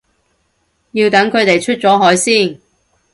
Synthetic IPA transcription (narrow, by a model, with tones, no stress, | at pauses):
jiː˧wt̪ɐ˨˥ŋkʰɵ˨˧ɥt̪e˨jt͡ʃʰɵ˥t̚t͡sɔː˨˥ɦɔː˨˥jsiː˥˩n